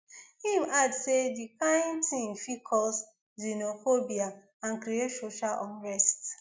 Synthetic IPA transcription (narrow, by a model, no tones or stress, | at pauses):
hĩmadsedikãɪ̃ntĩnfikʰɔs | zinofobia | ãnkɾietsoʃalʔɔ̃nɹɛst